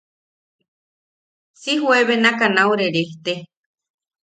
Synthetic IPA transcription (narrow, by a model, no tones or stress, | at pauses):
siɦweβenakanawɾeɾeht̪e